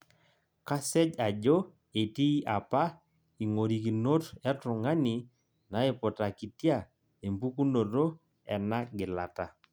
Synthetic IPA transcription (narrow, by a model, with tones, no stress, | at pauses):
ka˦sɛ˦d͡ʒa˨d͡ʒo˦ | e˨ti˦ʔa˨pa˦ | i˨ŋo˨ɾi˨ki˨no˦tɛ˦tʊ˨ŋa˦ni˨ | na˨˦ɪ˨pʊ˨ta˨ki˨tja˦˨ | e˨mbu˦ku˦no˨ɾo˦ | ɛ˨na˦ɡɪ˨la̰˨ta˨